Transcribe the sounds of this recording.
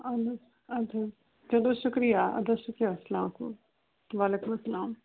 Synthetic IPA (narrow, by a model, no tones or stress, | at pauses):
ɐd̪ɐ | ɐd̪ɐ | d͡ʒɐd̪oʃʊkɾijaɐ̰d̪ɐʃʊkɾijasɐlaːmkṵ | ʋaːleːkʊmɐsɐlaːm